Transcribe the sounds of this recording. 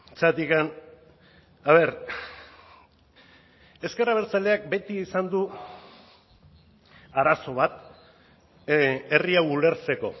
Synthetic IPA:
t͡sat̪ikan | aβe̞ɾ | e̞ske̞raβ̞e̞ɾt͡saleak̚be̞t̪iːsand̪u | aɾaso̞β̞at̪ | e̞riawule̞ɾt͡se̞ko̞

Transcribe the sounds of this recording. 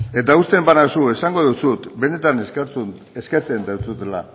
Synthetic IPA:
e̞t̪aust̪e̞mbanasue̞saŋɡo̞ðusut̪be̞ne̞t̪ant͡s | eske̞ɾt͡se̞nd̪awt͡sut̪ela̰

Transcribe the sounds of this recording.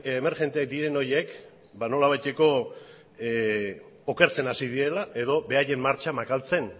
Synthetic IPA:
eme̞ɾʝe̞nt̪eakd̪iɾe̞no̞ɾje̞k | bano̞laβ̞ajt̪e̞ko̞ | oke̞ɾt͡se̞nasið̞iɾe̞laʔe̞ðo̞be̞aje̞mːaɾt͡ʃamakalt͡se̞n

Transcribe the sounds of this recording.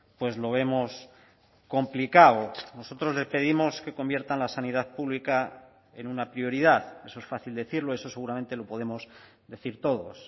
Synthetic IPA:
pwe̞zlo̞β̞e̞mo̞s | ko̞mplikawono̞so̞t̪ɾo̞zle̞spe̞ðimo̞ske̞ko̞mbje̞ɾt̪anlasaniðaðpuβlika | enunapɾio̞ɾiðaðe̞so̞e̞sfaθild̪eθiɾloeso̞se̞ɣuɾament̪e̞lo̞po̞ð̞e̞mo̞s | d̪e̞θiɾt̪o̞ðo̞s

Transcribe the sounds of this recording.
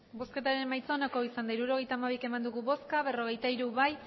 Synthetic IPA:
bo̞ske̞t̪aɾe̞majt͡saonako̞isand̪aiɾuɾo̞ɣe̞jt̪aːmaβ̞ike̞mand̪uɣuβo̞skaβe̞ro̞ɣe̞jt̪aiɾuβaj

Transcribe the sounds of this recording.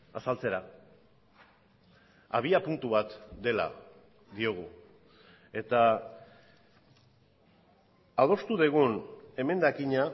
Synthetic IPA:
asalt͡se̞ɾa | a̰β̞iapunt̪uβat̪d̪e̞la̰ | d̪io̞ɣ̞u | e̞t̪a | að̞o̞st̪uðeɣ̞une̞me̞nd̪akiɲa

